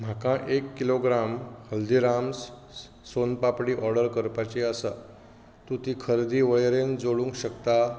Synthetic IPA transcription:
m̤akãʔekːiloɡɾamhəld̪iɾams | sonpapɽiːʔɔɾɖəɾkəɾpat͡ɕiasa | t̪ũt̪ikʰəɾd̪iːʋəjɾend͡zoɭũŋkɕəkt̪a

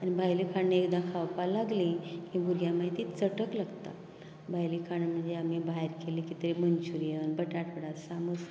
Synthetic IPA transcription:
anibʱajlikʰaɳːeekd̪ãkʰawpalaɡlĩkĩbʱuɾɡjamaɦit̪iːt͡səʈəklaɡt̪a̰ | bʱajlikʰaɳm̤əɳd͡zeamibaɦeɾkelĩkit̪əɾimənt͡ɕuɾijənbəʈaʈʋəɽat̪saməs

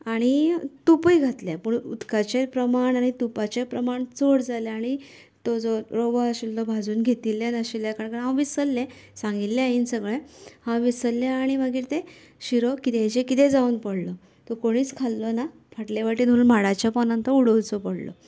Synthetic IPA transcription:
aɽ̃it̪upəjɡʱat̪ljepəɳṵd̪kat͡ɕepɾəmaɳaɽ̃it̪upat͡ɕepɾəmaɳt͡soɽd͡zaleaɽ̃i | t̪ɔd͡zɔɾoʋaəɕilt̪ɔbʱad͡zuːnɡʱet̪ilːjanaɕiljakaɽkaɦãwʋisəlːẽsãŋɡillẽaiːnsəɡɭẽhãʋisəlːẽaɽ̃iməɡiːɾt̪ẽ | ɕiɾɔkit̪ẽt͡ɕẽkit̪ed͡zauːnpəɽlɔ | t̪ɔkoɽ̃iːt͡skʰalːɔna | fʰaʈlaʋaʈiːnuɾunmaɽat͡ɕjapɔnãnt̪əuɽəlt͡sɔpəɽlɔ̰

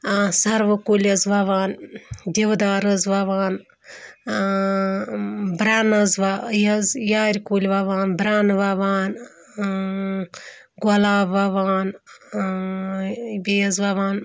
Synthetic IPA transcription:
sɐɾʋɨkulʲɐzʋɐʋaːnd̪ʲiʋd̪aːɾɨzʋɐʋaːn | bɾaːnɐzʋajɐzjaːɾʲkulʲʋaʋaːnbɾaːnʋɐʋaːn | ɡɐlaːbʋɐʋaːn | bejɐzʋaʋaːn

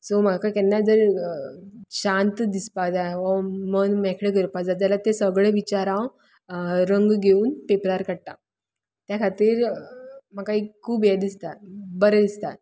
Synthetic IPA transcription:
somaakaikɛnːad͡zəɾ | ɕãnt̪d̪ispad͡zaʋəmənmɛkʰɽeɡəɾpad͡zat̪jalat̪esəɡɭeʋit͡ɕaɾãw | ɾəŋɡɡʱeuːnpepɾaɾkəɽt̪a | t̪jakʰat̪iːɾ | maɡkaɦikʰuːbjed̪ist̪at̪bəɾəd̪ist̪at̪

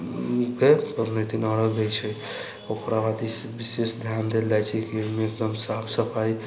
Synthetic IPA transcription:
kepəɾnit̪inəɽəɡəjt͡ʃʰɛ | okɾabad̪isbisesd̪ʱjand̪ʱeld͡ʒajt͡ʃʰɛkimeek̚d̪əmsapʰsəpʰai

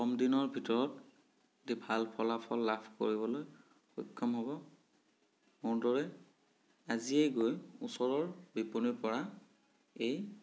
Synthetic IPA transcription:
xɔmdinɔɹbʱitɔɹɔt | dibʱalpʰɔlapʰɔlːapʰko̰ɹibɔloj | xɔjkʰːɔmɦɔbɔ | mʊɹdɔɹɛ | aziejɡojusɔɹɔɹbipuniɹpɔɹa | ej

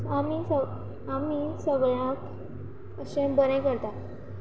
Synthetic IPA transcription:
amisə | amisəɡɭãk | əsẽbənẽkəɾt̪a

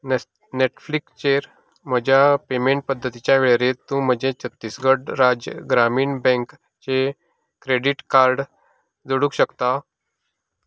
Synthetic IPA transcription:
neʈflikst͡ɕeɾ | m̤əd͡ʑʱjapemeɳʈ̚pəd̪ʱːət̪it͡ɕjaʋeɭeɾet̪ũm̤əd͡ʑẽt͡sət̪ːiːsɡəʈɾad͡ʑɡɾamiːɳbɛ̃ŋk | t͡ɕe | kɾeɖiʈkaɾɖ | d͡zoɽũkɕəkt̪a

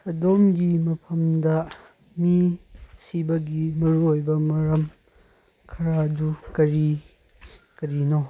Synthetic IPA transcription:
sɐdomɡimɐpʰɐmdɐ | misibɐɡimɐɾuojbɐmɐɾɐm | kʰɐɾadukɐɾi | kɐɾino

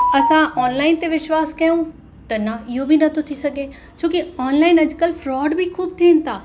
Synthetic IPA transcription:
ɐsãʔɔːnlaːɪnt̪eʋɪʃwaːskɐjũ | t̪ɐnɐɪɦobʱinɐt̪ʰot̪ʰisɐɡʱe | t͡ɕʰõːkiɔːnlaːɪnɐd͡ʑkəlfɾɔːɖbʱikʰuːb̚t̪ʰiːnɪt̪ʰaː

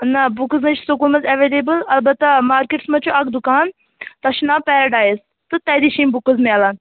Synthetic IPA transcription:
nɐbukəzmɐt͡ʃʰsukulmɐzɐʋeːlebəlɐlbɐt̪ːɐmaːɾkeʈsmɐt͡ʃʰuʔɐkd̪ukaːn | t̪ɐʃnaːpɛːɾɐɖaːjz | t̪ɨt̪ɐːd̪iʃimbukəzmẽɐlaːn

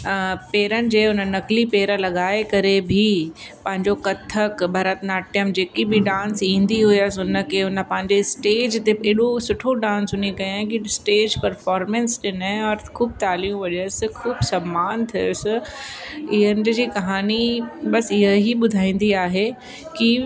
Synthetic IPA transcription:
peːɾənɪ̆d͡ʑeːʊnənːɐklipeːɾəlɐɠaːekɐɾebʱipɐ̃ɦɪ̃ɲd͡ʑokɐt̪ʰːəkbʱɐɾət̪naːʈijəmd͡ʑeːkibʱiɖãːnsĩːnd̪iɦʊiəsʊnə̆kʰeʊnə̆pɐ̃ɦɪ̃ɲd͡ʑesʈeːd͡ʑt̪eeːɗosʊʈʰoɖãːnsɦʊnikɐjãkisʈeːd͡ʑpɐɾfɔːɾmẽnsɗɪnɔːɾkʰuːb̚t̪aːliũʋɐɗəsɪ̆kʰuːbsɐmːaːnt̪ʰijʊsɪ | ɪɦənd͡ʑiːkɐɦaːniɓɐsɪɦəɦiɓʊd̪ʱaːĩːn̆d̪iaːɦe | ki

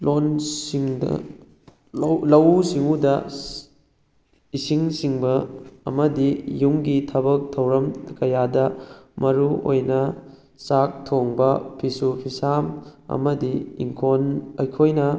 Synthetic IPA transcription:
loniŋd̰ | wlɐwsiŋudɐ | isiŋsiŋbɐ̰ːmɐdijuŋɡitʰɐbɐk̚tʰɐwɾɐmkɐjadɐmɐɾuo̰jnɐ | sak̚tʰoŋbɐpʰisupʰisamɐ̰mɐdiḭŋkʰonɐjkʰojnɐ

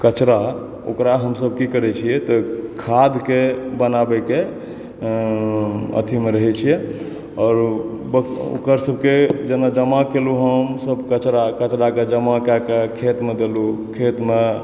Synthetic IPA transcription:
kət͡ʃɾa | o̰kɾaɦəmsəb̚ʱkikəɾɛt͡ʃʰijɛt̪ɔkʰad̪ʱkebənabɛke | ə̰t̪ʰimeɾəɦɛt͡ʃʰijɛ | ɔɾ | bəo̰kəɾsəbʱked͡ʒenad͡ʒəmakeluɦəmsəbkət͡ʃɾakət͡ʃɾaked͡ʒəmakakekʰet̪med̪elukʰet̪me

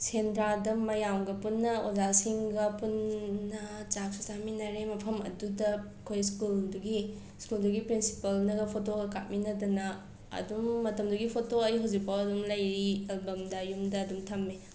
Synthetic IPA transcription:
sendɾadɐmɐjamɡɐpunːɐozasiŋɡɐpunːɐt͡ʃak̚sisaminɐɾemɐpʰɐmɐ̰dudɐ | kʰojskulduɡi | skulduɡipɾinsi̥pɐlnɐɡɐpʰotoɡɐka̰t̚minɐdɐnɐ | ɐ̰dumːɐtɐmduɡipʰotoɐjɦawzik̚pawɐdumlɐjɾielbɐmdɐjumdɐːdumtʰɐmːe

